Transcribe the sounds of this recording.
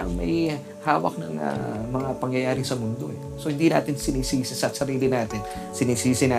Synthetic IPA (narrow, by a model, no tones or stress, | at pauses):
ɐ̰ŋmɐ̰j | haːwɐ̰k̚nɐ̰ŋɐ̰mɐŋapɐŋjɐjaːɾɪŋsɐmʊnd̪o̞ɛ | sohɪnd̪ina̰ːt̪ɪnsɪniːsiːsɪsɐsɐɾiːlɪnaːt̪ɪn | sɪniːsiːsɪnaː